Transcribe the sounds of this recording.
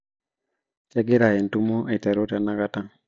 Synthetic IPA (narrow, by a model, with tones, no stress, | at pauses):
t͡ʃɛ˦ɡɪ˦ɾa˨ɛ˨ntu˦mo˦ʔe˨tɛ˨ɾo˦ta˨na˦ɡa˦ta˦ŋ